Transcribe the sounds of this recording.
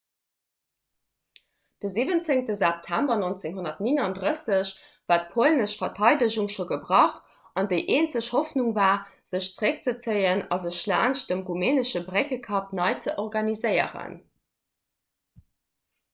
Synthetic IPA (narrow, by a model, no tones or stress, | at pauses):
d̥əziːvənt͡seŋtəzɛp̚tʰæmbɐnont͡seŋɦonɐtninɑndʁəsəɕ | vaːt̚pʰolnəʃfɐtʰɑɪdəʑuŋʃoɡəbʁɑχ | ɑndəɪʔeːnt͡səɕhɔfnuŋvaːz̥əɕt͡səʁək̚t͡sət͡səɪənɑzəʃla̰ːnʃd̥əmʁumeːnəʃəbʁekəkʰɑpnɑɪt͡səʔɔʁɡɑnizəɪə̰ʁə̰n